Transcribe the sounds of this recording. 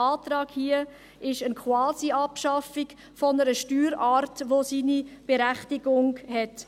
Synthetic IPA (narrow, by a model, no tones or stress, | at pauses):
ɑːtɾɑːɡ̥hiə | ɪʃənkʰwɑːsiɑpʃɑfiɡ | fɔnəɾəʃtyːɾɑːɾtʋosiːnib̥eɾæχtiɡʊŋhɛt